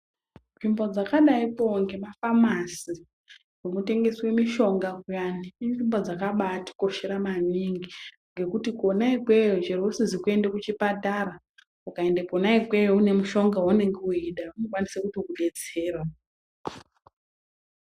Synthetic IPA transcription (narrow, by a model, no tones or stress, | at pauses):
nʐimbo̞d͡zakaɗaipo̞ŋɡe̞mafamasi | ɡomute̞ŋɡe̞swe̞miʃo̞ŋɡakujaniinʐimbo̞d͡zakaɓati̥koʃiɾamaniŋɡi | ŋɡe̞kutikuonaikwejoʐerosizikue̞ndekut͡ʃipatara | ukaendekonaikwejoune̞muʃo̞ŋɡaune̞ŋɡeuiɗaunokwanisekuto̞kuɓe̞d͡ze̞ːrwa